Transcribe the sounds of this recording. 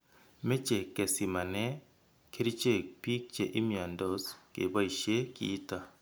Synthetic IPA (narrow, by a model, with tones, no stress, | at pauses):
me˦t͡ʃe˨ke˨si˨ma˨nɛ˦ | kʰe˦ɾi˦t͡ʃe˦pi˦k̚t͡ʃe˨ʔi˦mi˨a˨ndo˦skḛ˨ba˦i˨ʃe˦kḭː˨˦ta˨